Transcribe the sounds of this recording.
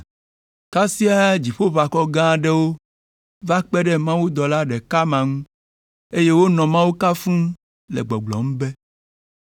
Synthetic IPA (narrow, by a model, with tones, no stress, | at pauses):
ka˦si˦a˦d͡ʑi˨ɸo˦va˨kɔ˦ɡã˦ɖɛ˦wo˦ | va˦k͡pɛ˦ɖɛ˦mã˦wu˦d̪ɔ˨la˦ɖɛ˨ka˦mã˨ŋũ˦ | e˦je˦wo˦nɔ̃˨mã˦wu˦ka˦fũ˦ | lɛ̰˨ɡ͡bɔ˨ɡ͡blɔ̰˨m̩̃˦bɛ˦